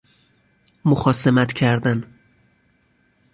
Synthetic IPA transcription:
moxɒːsemæt̪cʰæɾd̪æn

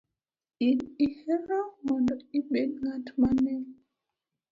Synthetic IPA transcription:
inihɛɾɔmɔndɔiɓenŋatmanɛ

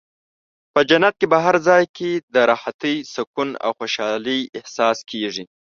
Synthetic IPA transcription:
pəd͡ʒanat̪̚kebaɦaɾzɑjkʰed̪əɾɑhat̪əjsakuna̰wxoʃɑlijɪhsɑskʰeʐi

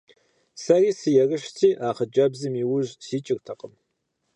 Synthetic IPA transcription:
sɐriːsɨjɛrəʃt͡sʰiːʔaːχəd͡ʒʼɐbzɨmiwʊʑsiːt͡ʃʼɪrtʰɐqʼəm

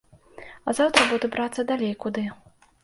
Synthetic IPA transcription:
ɐzawt̪ɾɐbud̪ubɾat̪sːɐd̪alʲejkud̪ɨ

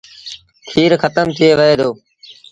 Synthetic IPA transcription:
kʰiːɾxət̪əmt̪ʰɪeːʋəɦeːd̪oː

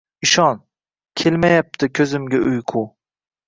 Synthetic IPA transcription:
ɪʃɒn | kʲʰelmajap̚t̪ʰɪkʲʰɵzɪmɡʲaʔʊjqʰu

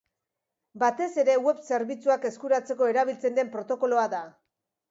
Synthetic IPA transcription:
bat̪e̞se̞ɾe̞we̞βse̞ɾβit͡suake̞skuɾat͡se̞ko̞e̞ɾaβ̞ilt͡se̞nd̪e̞mpɾo̞t̪o̞ko̞lo̞aða

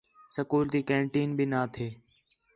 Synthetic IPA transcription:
səkuːɾt̪iːkẽːɳʈiːnbɪnaːt̪ʰeː

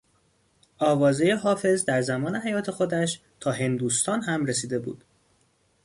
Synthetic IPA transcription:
ʔɒːvɒːzejeɦɒːfe̞zd̪æɾzæmɒːne̞ɦæjɒːt̪ʰe̞xo̞d̪æʃ | t̪ʰɒːɦe̞nd̪uːst̪ʰɒːnɦæmɾe̞siːd̪e̞bṵːd̪̥

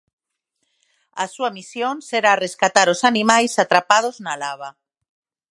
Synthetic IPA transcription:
asuamisjonseɾareskat̪aɾosanimajsat̪ɾapað̞oznalaβ̞a

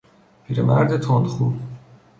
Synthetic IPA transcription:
pʰiːɾemæɾd̪et̪ʰond̪χub

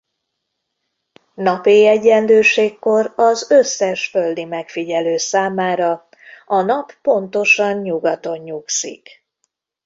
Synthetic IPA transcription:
nɒpiːɛɟːɛnløːʃeːkːo̞rɒzø̞sːɛʃfø̞ld̪imɛkfiɟɛløːsaːmaːɾɒ | ɒnɒpːo̞nt̪o̞ʃɒɲɲuɡɒt̪o̞ɲɲuksḭk

